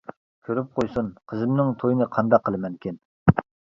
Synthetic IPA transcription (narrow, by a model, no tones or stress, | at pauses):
kʲʰøɾyp̚qʰojsunqʰəzɪmnɪŋt̪ʰojinɨqʰɑnd̪ɑqʰːəlˠɨmɛŋkʲin